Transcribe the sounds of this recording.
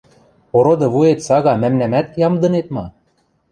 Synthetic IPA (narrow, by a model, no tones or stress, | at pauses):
poɾŏd̪ɤ̆βuet̪sɑɣɑmæmnæmæt̪̚jɑmd̪ɤ̆net̪̚mɑ